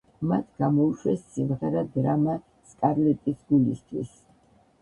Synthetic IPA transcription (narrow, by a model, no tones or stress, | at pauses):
mat̪ʰɡ̥amɔuʃwɛsːimʁɛɾad̪ɾama | skʼaɾlɛt̪ʼisɡulist̪ʰwḭs